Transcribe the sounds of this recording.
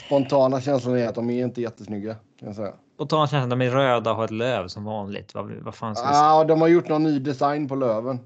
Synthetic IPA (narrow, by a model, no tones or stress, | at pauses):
spɔnt̪ʰɑːnaɕɛns̬lʊnɛɾat̪̚d̪ɔmɛɾɪnt̪əjɛt̪ːəsnʏɡːakʰanjasɛjːa̰ | pɔnt̪ʰɑːnaɕɛnslad̪ɔmɛɾøːd̪aɔɦaːɾɛt̪løːvsɔmvɑːnlɪ̰ɡ̚t̪va̰va̰faːnsad̪ɔmhaɾjʊʈːnɔnːyːd̪ɛsajnpɔløːvən